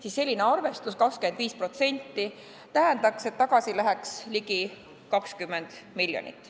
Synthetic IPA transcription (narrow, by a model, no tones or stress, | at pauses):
siːsːe̞lʲːine̞ɑrve̞st̪uskɑkskye̞nd̪viːspro̞t̪se̞nʲt̪ːˑi | t̪æɦend̪̥ɑkse̞t̪ːɑɡ̥ɑsilæɦɛksliki | kɑkskymːend̪̥miljo̰nʲḭt̪ːˑ